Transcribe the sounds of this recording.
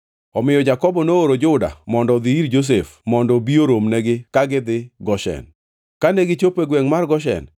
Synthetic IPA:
ɔmɪjɔd͡ʒakɔbɔnooɾod͡ʒʊda̰mɔndɔd̪iiɾd͡ʒos̬efmɔndɔbioɾomnɛɡɪkaɡɪd̪ɪɡɔʃɛ̰n | kanɛɡɪt͡ʃopeɡwɛŋmarɡɔʃɛ̰n

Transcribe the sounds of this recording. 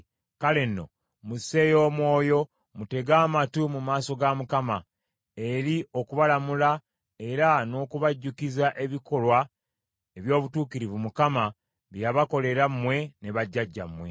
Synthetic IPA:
kale̞nːo̞̰ | muse̞jo̞ːmwo̞ːjo̞ | mute̞ɡaːmatumumaːso̞ɡamukama | e̞ɾio̞kuβalamula | e̞ɾano̞ːkuβaɟːukizaʔe̞βiko̞lwa | e̞βjo̞ːβutuːkiɾivumukama | βjaβako̞le̞ɾamːwe̞ne̞βaɟːaɟːa̰mwe̞

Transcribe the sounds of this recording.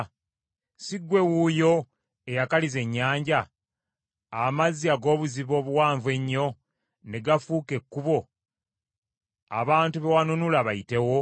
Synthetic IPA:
siɡwe̞wujo̞ | ejakalize̞ɲːaːɲɟa | amaziaɡo̞ːβuziβo̞ːβuwaːɱve̞ɲːo̞ | neɡafuːke̞kːuβo̞ | a̰βaːntuβewanunulaβajite̞wo̞

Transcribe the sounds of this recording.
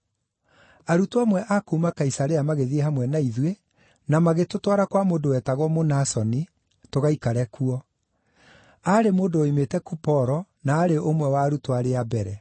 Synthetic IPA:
aɾutwamwɛʔakuːmakaisaɾeamaɣeðieɦamwɛnaiðwe | namaɣetotwaɾakwamoːdowɛtaɣwɔmonasɔni | toɣaikaɾɛkuɔ | aɾemoːndoːimetɛkupɔɾɔnaːɾeʔomwɛwaːɾutwaɾeabɛɾɛ

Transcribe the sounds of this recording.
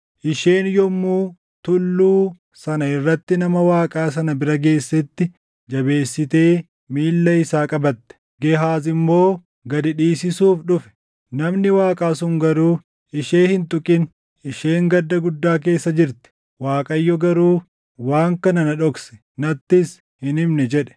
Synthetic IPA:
ʔɪʃeːnjɔmːuː | t̪ʊlːuː | sɐnɐɪrːɐt̪ːɪnɐmɐwaːkʼaːs̬ɐnɐbɪɾɐɡe̞ːsːɛt̪ːɪ | d͡ʒɐbe̞ːsːɪt̪eː | miːlːɐɪsaːkʼɐbɐt̪ːɛ̥ | ɡɛɦaːzɪmːo̞ː | ɡɐd̪ɪᶑiːsɪsuːfᶑʊfɛ̥ | nɐmnɪwaːkʼaːsʊŋɡɐɾuː | ɪʃe̞ːhɪnt̪ʼʊkʼɪn | ɪʃeːŋɡɐd̪ːɐɡʊd̪ːaːk̬e̞ːsːɐd͡ʒɪɾt̪ɛ̥ | waːkʼɐjːɔɡɐɾuː | waːŋkɐnɐnɐᶑɔksɛ̥ | nɐt̪ːɪs | hɪnɪmnɛd͡ʒɛᶑɛ̥

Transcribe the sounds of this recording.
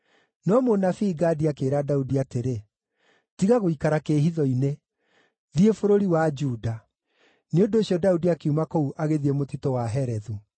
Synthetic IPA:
nɔmonafiːɡaːdiakeːɾadaudiateɾe | tiɣaɣoikaɾakeɦiðɔine | ðiefoɾoɾiwad͡ʒuːda | neondoɕjɔdaudiakiumakouʔaɣeðiemotitɔwaɦɛɾɛðu

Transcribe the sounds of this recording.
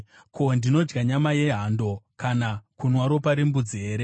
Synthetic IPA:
kondino̞d͡ʒɡaɲamaje̞ɦando̞kanakunwaɾo̞paɾembud͡ziɦe̞ːɾe̞

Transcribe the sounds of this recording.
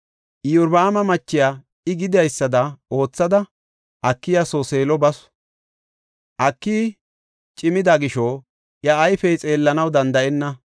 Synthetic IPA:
ʔɪjʊɾbɐːmɐmɐt͡ʃːɪjaː | ɪɡɪd̪ɪjɐjsːɐd̪ɐo̞ːt͡sːɐd̪ɐ | ʔɐkːɪjɐsoseːlɔbɐsɔ̥ | ʔɐkːiː | t͡ʃʼɪmɪd̪ɐɡɪʃo | ʔjɐːjfɛjt͡sʼe̞ːlːɐnɐwd̪ɐnd̪ɐʔɛnːɐ

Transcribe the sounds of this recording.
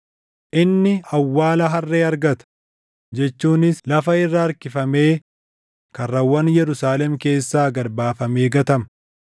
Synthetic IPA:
ʔɪnːɪɐwːaːlɐɦɐrːeːɐɾɡɐt̪ɐ̥ | d͡ʒɛt͡ʃːuːnɪslɐfɐɪrːaːɾkɪfɐme̞ː | kɐrːɐwːɐnjɛɾʊsaːlɛmke̞ːsːaːɡɐɾbaːfɐmeːɡɐt̪ɐmɐ

